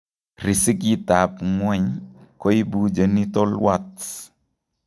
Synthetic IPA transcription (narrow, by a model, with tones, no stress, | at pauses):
ɾi˨si˦k̬i˦ta˨pŋwɛ˦˨ɲko˦i˦bu˦d͡ʒə˨ni˦t̪ɔ˦lwa˦˨t